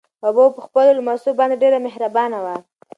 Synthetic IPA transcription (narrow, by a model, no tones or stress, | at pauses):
obopəxpəlolmasubɑnd̪eɖeɾamɪhɾabɑnawa